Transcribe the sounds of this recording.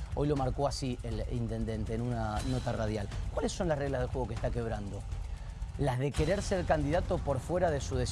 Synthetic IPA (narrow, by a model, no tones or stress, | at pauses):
o̞jlo̞maɾko̞asielḭnt̪e̞nd̪e̞nt̪e̞ːnunano̞t̪arað̞jalkwalesːo̞nlasreɣlazð̞exwe̞ɣ̞o̞kest̪ake̞β̞ɾand̪o̞ | lazðe̞ke̞ɾe̞ɾseɾkand̪iðat̪o̞po̞ɾfwe̞ɾaðe̞suð̞e̞s